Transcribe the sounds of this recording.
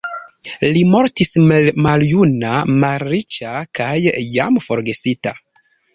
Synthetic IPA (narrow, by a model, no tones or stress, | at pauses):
limo̞ɾtismalmaljunamalɾit͡ʃakajːa̰mfo̞ɾɡe̞sita